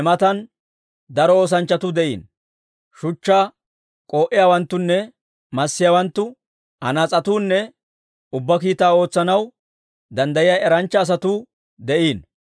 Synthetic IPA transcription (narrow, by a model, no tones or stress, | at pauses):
ɛmɐt̪ɐn | d̪ɐɾɔoːs̬ɐnt͡ʃːɐt̪ʊd̪ɛʔḭːn | ʃʊt͡ʃːaː | kʼo̞ːʔɪjaːwɐnt̪ːʊnːɛ | mɐsːɪjaːwɐnt̪ːʊ | hɐ̰nɐt͡sʼɐt̪uːnːɛ | ʊbːɐkiːt̪aːo̞ːt͡sːɐnɐw | d̪ɐnd̪ɐjɪjaːʔɛɾɐnt͡ʃːɐːs̬ɐt̪u | d̪ɛʔiːn